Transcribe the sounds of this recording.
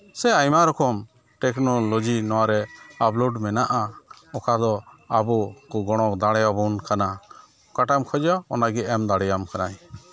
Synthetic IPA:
sɛajmaɾɔkɔm | ʈɛknɔlɔd͡ʒinɔwaɾɛaplɔɖmɛnaʔa | ɔkad̪ɔabukuɡɔɽ̃ɔkd̪aɽɛjabunkana | kaʈamkʰɔd͡ʒɔɔnaɡɛɛmd̪aɽɛjamkanaj

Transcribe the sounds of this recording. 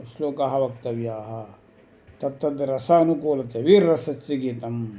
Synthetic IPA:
sloːkaɦɐʋɐk̚t̪ɐʋjaːɦɐ | t̪ɐt̪ːɐd̪ɾɐsaɐnukoːlɐt̪ɐʋiɾːɐsɐssiɡiːt̪ɐm

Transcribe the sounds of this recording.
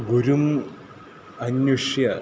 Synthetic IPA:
ɡuɾum | ɐɲjuʂjɐ

